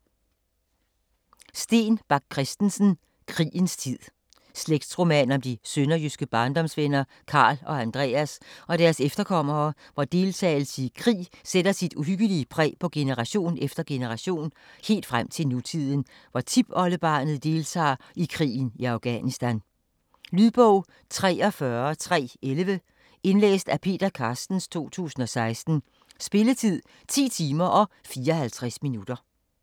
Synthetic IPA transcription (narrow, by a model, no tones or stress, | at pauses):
sd̥e̝̰ːnb̥ɑ̈ɡ̥̚kʰːʁɛsd̥n̩sən̩ | kʰʁḭːənst͡sʰið̰ˠ | sleɡ̥̚d̥sʁo̝mɛnɒ̽md̥isønɐjysɡ̥əb̥ɑ̈ːnd̥ɒ̽msʋenɐ | kʰɑ̈ːlɒ̽ænd̥ʁɛ̰ːæsɒ̽ɾ̥æɐsefd̥ɐkʰɒ̽m̰ɐːʋɒd̥e̝lt͡sʰɛ̰ːɪl̩səikʰʁḭːsed̥ɐsid̥uɦyɡ̥əliəpʰʁɛ̰ːpʰɒ̽ɡ̥e̝nəʁɑ̈ɕo̝̰ːnefd̥ɐɡ̥e̝nəʁɑ̈ɕo̝̰ːnhe̝̰ːld̥fʁam̰t͡sʰe̝lnut͡sʰið̞̰ˠən̩ | ʋɒt͡sʰib̥ɒ̽ləb̥ɑ̈ːnð̞̩ˠd̥e̝lt͡sʰɑ̰̈ː | ikʰʁḭːn̩iɑ̈ʊɡ̥ænisd̥æn | lyðˠb̥ɔʊ̰ | t͡sʰʁɛ̰ːɒ̽fɶɐt͡sʰʁɛ̰ːelʋə | ʔe̝nlḛːsd̥æpʰe̝̰ːd̥ɐkʰɑ̈ːsd̥n̩st͡sʰo̝̰ːt͡sʰṵːsn̩ɒ̽sɑ̈ɪsd̥n̩ | sb̥e̝lət͡sʰið̰ˠ | t͡sʰḭːt͡sʰiːmɐʔɒ̽fiːɐɒhælt͡sʰʁasminud̥ɐ